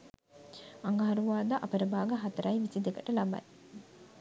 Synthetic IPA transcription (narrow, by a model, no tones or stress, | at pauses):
ɐŋɡɐɦɐɾuʋaːd̪aʔɐpɐɾəbaːɡɐɦɐt̪ɐɾɐiʋisid̪ekɐʈɐlɐba̰j